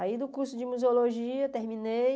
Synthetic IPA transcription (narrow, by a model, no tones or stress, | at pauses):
aid̪ʊkuɾsʊd͡ʒɪmuzeoloʒiɐt̪eɾmĩnej